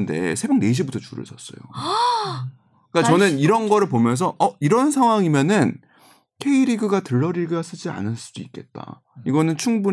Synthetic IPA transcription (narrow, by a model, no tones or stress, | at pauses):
nde̞̰sʰebjʌŋne̞ɕ̬ʰibutʰʌt͡ɕuɾɯ̰ɭsʰʌs͈ʌ̰jo̰ | k͈at͡ɕʌnɯniɾʌnɡʌɾɯɭpomjʌns̬ʰʌʔʌiɾʌns̬ʰaŋɦwaŋimjʌnɯn | kʰe̞iɾiɡɯɡatɯɭːʌɾiɡɯɡas͈ɯd͡ʑia̰nɯɭs͈ud̥uik͈e̞t̚t͈a̰ | iɡʌnɯnt͡ɕʰuŋbu